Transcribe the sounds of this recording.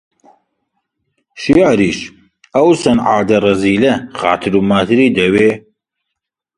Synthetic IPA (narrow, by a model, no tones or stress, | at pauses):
ʃijaːɾiːʃ | ɐwsɐnʕa̰ːd̪ɐrˤɐziːlɐχa̰ːt̪ʰɨɾuːmaːt̪ʰɨɾiːd̪ɐweː